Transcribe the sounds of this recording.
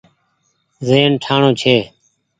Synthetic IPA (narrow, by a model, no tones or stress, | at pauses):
zeːnʈʰaːɳõːt͡ʃʰeː